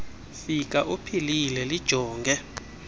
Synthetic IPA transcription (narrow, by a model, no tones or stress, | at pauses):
fik̬ʼaʔupʰililɛlid̥ʒ̥ʱɔːŋɡʱɛ